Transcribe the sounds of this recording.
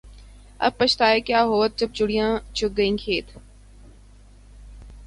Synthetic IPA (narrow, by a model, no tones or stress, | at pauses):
ə̰b̚pət͡ʃt̪aːeːkjaːɦoːt̪̚d͡ʒəb̚t͡ʃʊɽijãːt͡ʃʊk̚ɡəĩːkʰeːt̪